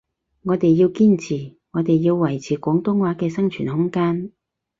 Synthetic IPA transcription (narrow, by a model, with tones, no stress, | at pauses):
ŋɔː˨˧t̪e˨jːiː˧wkiː˥nt͡sʰiː˨˩ | ŋɔː˨˧t̪e˨jːiː˧wwɐ˨˩jt͡sʰiː˨˩kʷɔː˨˥ŋt̪ʊ˥ŋwaː˨˥kɛː˧sɐ˥ŋt͡ʃʰyː˨˩nhʊ˥ŋkaː˥n